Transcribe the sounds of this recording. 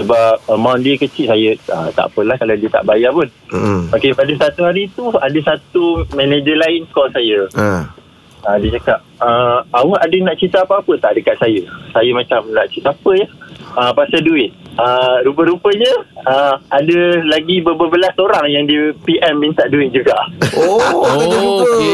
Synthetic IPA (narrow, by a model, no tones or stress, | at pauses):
səbap̚əmawndiəkət͡ʃiʔsajəə̰t̪a̰ʔpəlahkaladiət̪a̰ʔbajapʊn̩akepadəsat̪uɦaɾit̪uadəsat̪umɛ̃ned͡ʒəlaɪnkɔlsajəə | ədət͡ʃakap̚əawəhadənaʔt͡ʃit̪əapəapət̪aʔdəkat̪̚sajəsajəmãt͡ʃamnaʔt͡ʃit̪əapəjaəpasaduɪt̪̚əɾupəɾupəɲəəadəlaɡibəbəbəlasoɾaŋjaŋdipiʔɛmːĩnt̪aʔduɪt̪̚d͡ʒuɡaʔɔaəupə